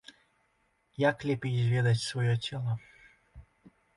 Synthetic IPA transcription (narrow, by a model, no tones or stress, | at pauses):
jaklʲepʲizʲvʲed̪ɐtʲsvɔjotʲelˠə